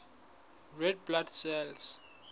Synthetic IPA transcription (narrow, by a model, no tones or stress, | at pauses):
ɹɛd̚bladsɛls